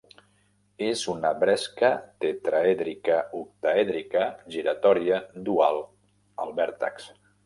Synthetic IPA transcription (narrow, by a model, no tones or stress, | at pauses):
ezunəβɾɛskət̪et̪ɾaɛðɾikəuk̚t̪aɛðɾikəʒiɾat̪ɔɾiəd̪ualˠ | əlˠβɛɾt̪a̰ks